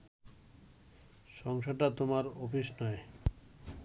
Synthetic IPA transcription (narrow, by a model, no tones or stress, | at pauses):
ʃɔŋʃaʈat̪omaɾofiʃnɔe